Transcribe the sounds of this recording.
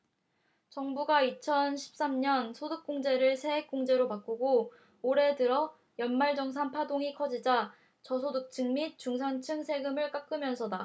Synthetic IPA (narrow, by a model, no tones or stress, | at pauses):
t͡ɕʌŋbuɡait͡ɕʰʌnɕʰi̥p̚s͈amɲʌnsʰoduk̚k͈oŋd͡ʑe̞ɾɯɭsʰe̞ek̚k͈oŋd͡ʑe̞ɾopak͈uɡoː | ɾe̞dɯɾʌ | jʌnmaɭd͡ʑʌŋs̬ʰanpʰadoŋikʰʌd͡ʑid͡ʑa | t͡ɕʌsʰoduk̚t͡ɕʰɯŋmit̚t͡ɕ͈uŋs̬ʰaŋt͡ɕʰɯŋsʰe̞ɡɯmɯɭk͈ak͈ɯmjʌnsʰʌda